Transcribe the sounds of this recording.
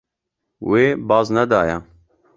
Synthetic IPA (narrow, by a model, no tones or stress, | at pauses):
weːbɑːznɛd̪ɑːjɛ